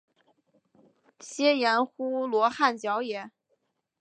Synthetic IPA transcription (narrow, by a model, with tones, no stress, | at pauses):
ɕjɛ˥jɛ˧˥nxu˥lwɔ˧˥xa˥˩nt͡ɕjɑ˧˥ʊjɛ˧˥˦